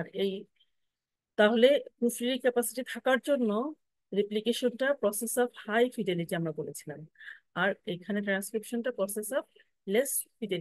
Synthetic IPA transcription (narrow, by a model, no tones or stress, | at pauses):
aɾej | t̪aɦolekufɾiɾkɛpasi̥ʈit̪ʰakaɾd͡ʑonːo | ɾiplikeʃonʈapɾɔsesɔbhajfiɖeliʈiamɾabolet͡ɕʰilamaɾejkʰaneʈɾanskɾipʃonʈapɾɔsesɔb | lesfiɖelii